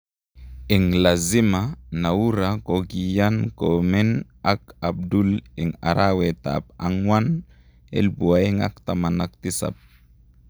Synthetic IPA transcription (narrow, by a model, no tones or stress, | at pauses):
eŋlazimanauɾakoɡijankomɛn | akab̚duleŋa̰ɾawet̪a̰p̚aŋwan | ḛlbuaeŋa̰k̚t̪amanak̚t̪isa̰p̚